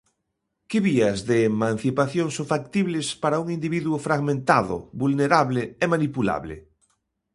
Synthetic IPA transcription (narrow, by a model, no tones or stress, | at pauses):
kɪβiazðeːmãn̟θipaθjoŋsoŋfak̚t̪iβlespaɾauŋind̪iβiðwʊfɾaɣmẽnt̪aðʊ̰βulneɾaβleemanipula̰βlḛ